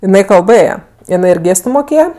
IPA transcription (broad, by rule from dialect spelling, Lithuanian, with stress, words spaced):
ɪˈnɐɪ kɐlˠˈbɘjɛ ɪˈnɐɪ ɪr ˈɡʲeːstʊ moːˈkʲeːjɛ